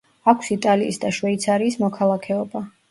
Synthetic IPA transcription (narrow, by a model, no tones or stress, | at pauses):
akʰsit̪ʼaliːsd̪aʃwɛit̪sʰaɾiːsmɔkʰalˠakʰɛɔba